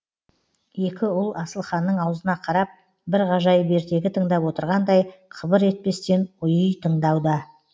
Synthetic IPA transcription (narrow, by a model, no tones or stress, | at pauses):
je̞kʲɪʊlˠɑsəlˠχɑnːəɴɑwzənɑqʰɑɾɑp̚ | bɪɾʁɑʒɑjbe̞ɾt̪e̞ɡʲɪt̪ʰəɴd̪ɑpwo̞t̪əɾʁɑnd̪ɑjqʰəbəɾe̞t̪̚pe̞st̪e̞nʊjəjt̪ʰəɴd̪ɑwd̪ə